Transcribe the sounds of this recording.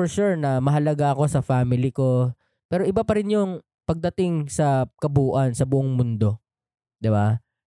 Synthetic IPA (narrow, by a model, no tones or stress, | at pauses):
fɔɹʃuɹnɐmɐɦɐlɐɡaɐko̞sɐfaːmɪlɪko̞ | pɛːɾo̞ʔɪbapɐɾɪnjʊŋ | pɐɡ̚d̪ɐt̪ɪŋsɐkɐbuːʔɐnsɐbʊʔoŋmʊnd̪o̞ | d̪ɪba